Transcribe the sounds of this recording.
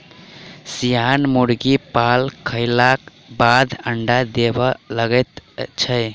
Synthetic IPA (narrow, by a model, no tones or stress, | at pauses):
sijanmuɽɡipalkʰəɪlak | bad̪ʱəɳɖad̪ebələɡɛt̪t͡ʃʰə